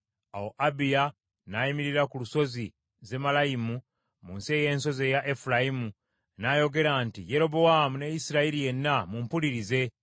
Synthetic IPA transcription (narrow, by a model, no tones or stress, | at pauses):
awo̞ʔabija | naimiɾiɾakuluso̞zi | ze̞malajimu | munseːje̞ːnso̞ze̞jaʔefulajimu | najo̞ɡe̞ɾaːntije̞ɾo̞bo̞wamune̞jisiɾaiɾije̞nːamumpuliɾize̞